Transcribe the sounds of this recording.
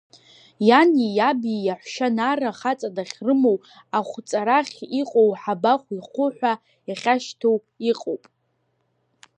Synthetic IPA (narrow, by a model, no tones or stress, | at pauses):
janijabijaħʷʃanaraχat͡sʼadaχʲrɨmo̞w | aχʷt͡sʼaɾaχʲiqʼowħabaχʷiχʷʊħʷa | iχʲaʃtʰow | iqʼowpʼ